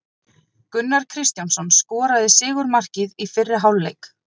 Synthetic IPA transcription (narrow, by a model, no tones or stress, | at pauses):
kʏnːaɾ̥kʰɾɪst̪jansɔnskɔːɾaðɪsɪːɣʏɾmar̥cɪðifɪrːɪɦawlːejk